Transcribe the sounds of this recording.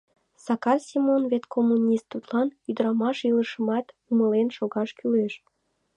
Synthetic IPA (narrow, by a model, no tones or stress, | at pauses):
sɑkɑrsʲimonvet̪kʰomːunʲist̪ːut̪lɑnyd̪əɾɑmɑʃiləʃəmɑt̪ | uməlenʃoɣɑʃkyleʃ